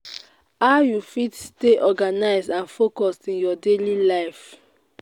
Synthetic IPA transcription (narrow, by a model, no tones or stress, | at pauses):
aʊjufitsteʔɔɡanaɪzdãnfokɔstĩnjɔdelilaɪf